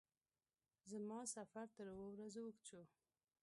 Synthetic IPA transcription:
zəmɑsafaɾt̪əɾwowɾazwəkt͡ʃu

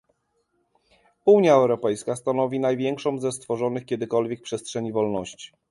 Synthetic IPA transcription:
uɲjaɛwɾɔpɛjskast̪anɔvʲinajvʲjɛŋkʂɔ̃w̃zɛst̪fɔʐɔnɘxkʲjɛd̪ɘkɔlvʲjɛk̚pʂɛstʂɛɲivɔlnɔɕt͡ɕi̥

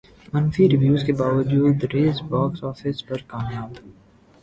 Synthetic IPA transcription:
mɐnfiɾɪʋjuːzkebaːʋəd͡ʒuːd̪ɾeːzbɔːksɔːfɪspɐɾkaːmjaːb

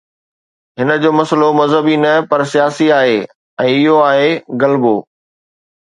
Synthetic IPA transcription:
ɦɪnə̆d͡ʑoːmɐsəlomɐzɦəbinɐpɐɾsijaːsiaːɦeː | ɛ̃ːɪɦoaːɦeɡɐlboː

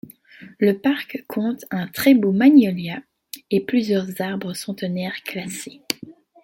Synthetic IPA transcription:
ləpaʁkkʰɔ̃t̪ɛ̃t̪χɛbomaɲɔlja | eplyzjœʁzaʁbʁəsɑ̃t̪ənɛʁklase

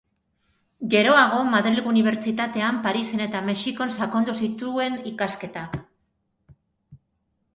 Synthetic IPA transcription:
ɡe̞ɾo̞aɣ̞o̞maðɾilɣuuniβ̞e̞ɾt͡ʃit̪at̪e̞ampaɾise̞ne̞t̪ame̞ʃiko̞nsakond̪usit̪ue̞nikaske̞t̪a

